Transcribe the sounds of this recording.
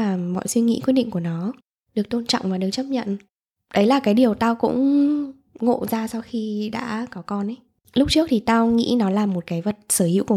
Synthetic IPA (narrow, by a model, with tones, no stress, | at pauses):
aː˨˩mɔ̰˧˨jswi˧ŋḭ˧˥kw̚ɗḭ˧˨ŋ̟ku˧˩ənɔ˨˦ | ɗɨ˨˩ək̚t̪o˧nt͡ɕɔ̰˧˨wŋ͡mvaː˨˩ɗək̚t͡ɕə˦˥p̚ɲə̰˧˨n | ɗə˨˦jlaː˨˩kaː˨˦jɗi˨˩əwt̪aː˧wkʊ̰˧˥ŋ͡m | ŋo̰˧˨zaː˧sa˧wxi˧ɗa̰ː˧˥kɔ˨˦kɔ˧nʔə˨˦j | lʊ˦˥k͡p̚t͡ɕɨ˦˥ək̚t̪ʰi˨˩t̪aː˧wŋḭ˧˥nɔ˨˦laː˨˩mo˨˩t̚kaː˨˦jvə˨˩t̚səː˧˩hḭ˧˥ku˧˩˨